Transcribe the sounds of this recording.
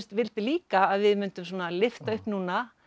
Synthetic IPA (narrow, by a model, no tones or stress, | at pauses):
st̪vɪlt̪ɪliːkaːðvɪðmʏnt̪ʏms̬oːnalɪft̪aʏhpnuːna